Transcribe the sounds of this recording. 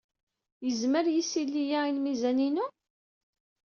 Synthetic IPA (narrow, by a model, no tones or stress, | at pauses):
jəzməɾjisilːijainmizæninu